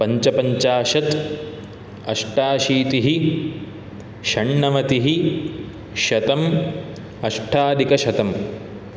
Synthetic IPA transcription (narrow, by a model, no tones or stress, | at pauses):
pɐɲt͡ʃɐpɐɲt͡ʃaːʃɐt̪ | ɐʂʈaːʃiːt̪iɦi | ʃɐɳːɐʋɐt̪iɦi | ʃɐt̪ɐm | ɐʂʈʰaːd̪ikɐʃɐt̪ɐm